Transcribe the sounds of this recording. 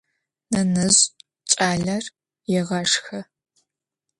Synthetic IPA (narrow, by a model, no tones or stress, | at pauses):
nɐnɨz | t͡ʃʼaːɮɐr | jɛʁɐʂxɐ